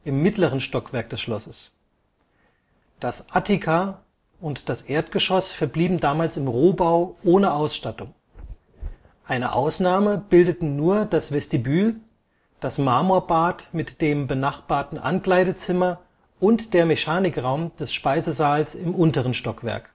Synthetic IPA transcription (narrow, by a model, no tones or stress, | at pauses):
ʔɪmːɪtləʁ̞ənʃtɔkv̥ɛɐk̚d̥ɛsʃlɔsəs | d̥asʔatikʰa | ʔʊntd̥asʔeːɐtɡ̥əʃɔsfɛɐbliːbm̩daːmaːlsɪmʁoːbaʊʔoːnəʔaʊsʃtatʊŋ | ʔaɪnə̰ʔa̰ʊsnaːməb̥ɪldətn̩nuːɐd̥asv̥ɛstibyːl | d̥asmaːmoːɐbaːtmɪtd̥eːmbənaχb̥aːɐtn̩ʔa̰nkl̥aɪɾət͡sɪmɐ | ʔʊntd̥eːɐmɛçaːnɪkʁaʊmd̥ɛsʃpaɪzəzaːlsɪmʔʊntəʁ̞ənʃtɔkv̥ɛ̰ɐk